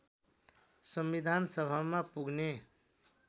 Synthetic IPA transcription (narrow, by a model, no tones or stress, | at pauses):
sʌmbid̪ʱansʌbʱamapuɡne